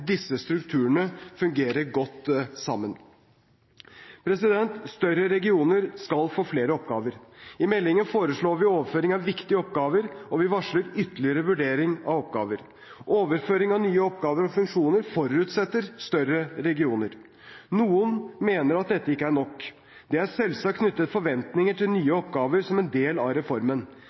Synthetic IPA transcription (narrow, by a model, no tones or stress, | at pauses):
d̪ɪsːəst̪ɾʉkt̪ʰʉːəɳəfʉŋɡeːɾəɾɡɔt̪ːsɑmːən | pʰɾɛsɪd̪ɛnt̪st̪œɾəɾɛɡɪuːnəɾskɑlfoːfleːɾəɔpɡɑːʋəɾɪmɛlːɪŋənfoːɾəʂɭoːɾʋɪoːʋəɾføːɾɪŋɑʋʋɪkt̪ɪəɔp̚ɡɑːʋəɾɔʋɪʋɑʂləɾʏt̪ːəlɪəɾəʋʉɖeːɾɪŋɑ̰ʋɔpɡɑ̰ːʋəɾ | ʔoːʋəɾføːɾɪŋɑʋnyːəɔpːɡɑːʋəɾɔfʉŋkʂuːnəɾfɔɾʉt̪sɛt̪ːəɾst̪œrəɾɛɡɪuːnəɾ | nuːənmeːnəɾɑt̪̚d̪ɛt̪ːəɪkːəæɳɔkː | d̪ɛæɾsɛlsɑkːʰnʏt̪ːət̪fɔɾʋɛnt̪nɪŋəʈʰɪlnyːəɔpɡɑːʋəɾsɔmɛnd̪eːlɑ̰ɾɛfɔɾmən